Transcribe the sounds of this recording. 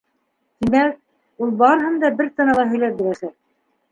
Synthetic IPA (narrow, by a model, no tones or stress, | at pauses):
t̪imæk̚ | ulˠbɑɾɤ̆ɦɤ̆nd̪ɑbɘɾt̪ɤ̆nɑlˠɑɦɵ̆jlæt̪̚bɘ̆læsæk̚